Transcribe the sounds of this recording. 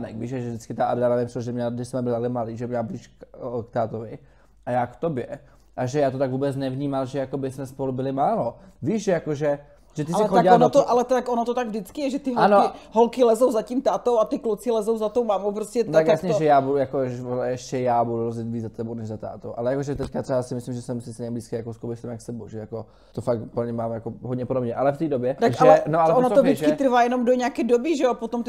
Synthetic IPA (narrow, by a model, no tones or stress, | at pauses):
nɛ̰kviːʃaʒɛvd̪ɪt͡skɪt̪aʔaɾdanɛvɪmpsʒɛmɲɛladɪsɛmɛbɪlɪt̪aklɛmaliːʒɛmɲɛlbliːʃkkt̪aːt̪ovɪ | ʔajaːkt̪objɛ | ʔaʒɛjaːt̪ot̪aɡvuːbɛt͡snɛvɲiːmalʒɛjako̞bɪsmɛspolubɪlɪmaːlo̞ | viːʃjakoʒɛ | ʒ̥ɛt̪ɪssɛxoɟɪlanot̪oʔalɛt̪akʔonot̪ot̪aɡvdɪt͡skɪjɛʒɛt̪ɪɦanoɪɦolkɪlɛzowzaciːmt̪aːt̪owat̪ɪklot͡sɪlɛzowzat̪owmaːmowpɾoscɛt̪akjasɲɛʒɛjaːbudjakoʒɛʃcɛjaːbuduɾozɪt̪viːd͡zzat̪ɛbownɛʒzat̪a̰ːt̪owʔalɛjakoʒɛt̪ɛckat̪r̥ɛbasɪmɪslimʒɛsɛmsɪst̪ɲɛmbliːskajakoskobɛʃsɛmakst̪ɛbo̰wʒɛjako | t̪ofak̚upl̩ɲɛmaːmjakoɦod̪ɲɛpodobɲɛʔalɛft̪iːdobjɛt̪aʔʒaɛlɛnoʔalɛonot̪ovɪkɪt̪ɾ̩vaːjɛno̞mdoɲakɛdobiʒɛopot̪omt̪